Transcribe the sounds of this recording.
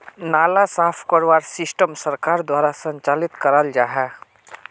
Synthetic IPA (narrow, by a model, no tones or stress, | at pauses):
naːlasaːpʰkoɾʋaːɾsɪsʈəmsɐɾkaːɾd̪waːɾasɐ̃ɲt͡ʃaːlɪt̪kəɾəld͡ʒaːɦɛː